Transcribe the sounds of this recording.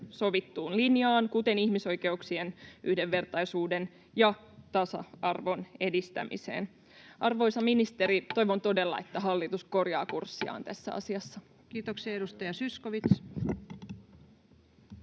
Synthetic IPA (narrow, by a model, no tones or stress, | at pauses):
so̞ʋit̪ːuːnlinjɑːnkut̪e̞nihmiso̞jke̞uksienyhdeʋːe̞rt̪ɑjsuːde̞n | jɑ | t̪ɑsɑ̰ɑrʋo̞ne̞dist̪æ̰mʔḭse̞̰ːn | ʔɑrʋo̞jsɑminist̪e̞ɾit̪o̞jʋo̞nt̪o̞de̞lːɑ̰e̞t̪ːæɦɑlːit̪usko̞rjɑ̰ːkursːiɑ̰ːnt̪æsːæ̰ɑ̰siɑsːɑ | kiːt̪oksiɑeɾust̪ɑjɑsyskoʋit̪s